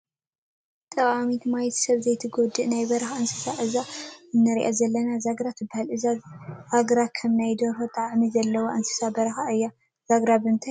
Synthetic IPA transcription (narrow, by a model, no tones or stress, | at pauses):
t̪ʼɐχʼamit̪ʰmajt̪ʰsɐβzɐjt̪ʰɨɡod̪ɨʔnajbɐɾɐxansɨ̥saʔɨzaɨnːɐɾiʔa̰zɐlːɐnazaɡɾat̪ʰɨbːahalʔɨzazaɡɾakʰɐmnajd̪oɾfot̪ʼaʕmizɐlːɐwoʔansɨ̥sabɐɾɐxaʔɨjːa | z̥aɡɾaβɨnt̪ʰaj